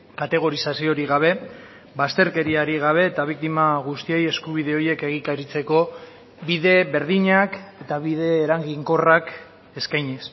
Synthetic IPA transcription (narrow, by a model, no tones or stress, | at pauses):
kat̪e̞ɣ̞o̞ɾisasio̞ɾiɣaβ̞e̞ | bast̪e̞ɾke̞ɾiaɾiɣ̞aβ̞e̞ːt̪aβ̞ik̚t̪imaɣ̞ust̪ie̞je̞skuβ̞ið̞e̞o̞je̞ke̞ɣ̞ikaɾit͡se̞ko̞ | biðe̞βe̞ɾðiɲake̞t̪aβið̞e̞ːɾaŋɡiŋko̞rak | e̞skajɲes